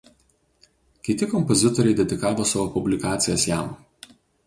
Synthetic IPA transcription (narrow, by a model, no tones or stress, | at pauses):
kʲɪt̪ʲɪkɔmpɔzʲɪt̪ɔɾʲɛɪd̪ʲɛd̪ʲɪkɑːʋoːsɑʋoːpʊbʲlʲɪkɑːt̪sʲɪjɛsjæˑm